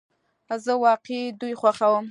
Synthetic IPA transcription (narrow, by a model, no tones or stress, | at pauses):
azəwɑqed̪ujxwaxawəm